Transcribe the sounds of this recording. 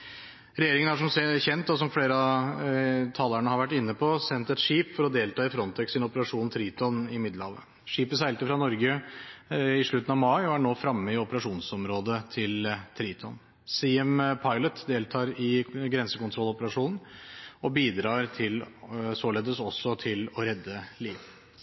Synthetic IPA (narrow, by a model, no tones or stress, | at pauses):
ɾɛjeːɾɪŋəæʂɔmsɛçɛnt̪ːɔsɔmfleːɾəɑ | t̪ʰɑːləɳəhɑɾʋæʈːɪnːəpʰɔsɛnt̪ɛt̪ʂiːpfɔɾɔd̪eːlt̪ʰɑːɪfɾɔnt̪ʰɛksɪnɔpəɾɑʂuːnt̪ʰɾiːt̪ʰɔnɪmɪd̪ləhɑːʋə̰ | ʂiːpəsæɪlt̪əfɾɑnɔɾɡə | ɪʂɭʉt̪ːənɑʋmɑɪɔæɳoːfɾɑmːəɪɔpəɾɑʂuːnsɔmɾoːd̪ət̪ʰɪlt̪ʰɾiːt̪ʰɔn | siɛmpʰɑɪlət̪d̪eːlt̪ʰɑːɾɪɡɾɛnsəkʊnt̪ʰɾɔlːɔpəɾɑʂuːnn̩ɔbiːd̪ɾɑːɾt̪ʰɪlsoːleːd̪əsɔsːɔt̪ʰɪlɔɾɛd̪ːəliːʋ